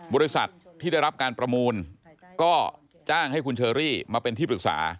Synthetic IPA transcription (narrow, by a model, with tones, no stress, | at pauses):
bɔː˧ɾi˦˥sa̰˨˩t̪̚ʰːiː˥˩da˥˩jɾa˦˥p̚kaː˧npɾa˧muː˧n | kɔː˥˩ | t͡ɕaː˥˩ŋha˥˩jkʰu˧nt͡ɕʰɤː˧ɾiː˥˩maː˧pe˧nt̪ʰiː˥˩pɾɯ˨˩k̚sa̰ː˩˦